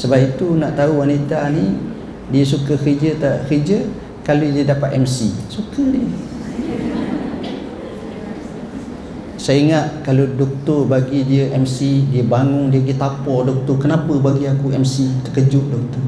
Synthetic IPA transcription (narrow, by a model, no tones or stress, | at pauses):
səbap̚it̪unaʔt̪auwanit̪ani | diəsukəkəd͡ʒət̪akid͡ʒə | kalodiədapat̪ɛmsḭsukədiə | saiŋat̪̚kalodɔk̚t̪ʊrbaɡidiəʔɛmsidiəbaŋʊŋdibaɡit̪apɔdɔk̚t̪ɔkənapəbaɡiakuɛmsit̪əkəd͡ʒʊʔ̚dɔk̚t̪ɔr